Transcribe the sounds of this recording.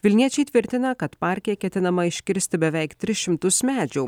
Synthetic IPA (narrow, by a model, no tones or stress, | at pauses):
ʋʲɪlʲnʲiɛt͡ʃʲɛɪt̪ʲʋʲɪɾʲt̪ʲɪnɐkɐt̪pɑˑɾʲkʲɪjɛkʲɛt̪ʲɪnɐmɐɪʃʲkʲɪɾʲsʲt̪ʲɪbʲɛʋʲɛɪkt̪ʲɾʲɪsʃʲɪmt̪ʊsmʲæːd͡ʒʲuː